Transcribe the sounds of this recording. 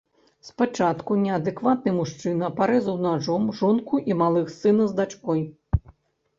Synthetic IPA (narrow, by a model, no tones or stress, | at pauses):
spat͡ʂat̪kunʲɛɐd̪ɛkvat̪̚nɨmuʂt͡ʂɨnɐpaɾɛzɐwnaʐɔmʐɔnkuʔimalˠɨxsɨnɐzd̪at͡ʂkɔj